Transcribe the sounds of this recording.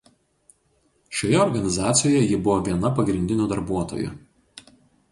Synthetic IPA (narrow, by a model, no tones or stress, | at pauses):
ʃʲoːjɛɔɾɡɐnʲɪzɑːt̪sʲɪjoːjɛjɪbʊʋoːʋʲiɛnɐpɐɡɾʲɪnʲd̪ʲɪnʲuːd̪ɐɾbuɔt̪o̰ːjṵ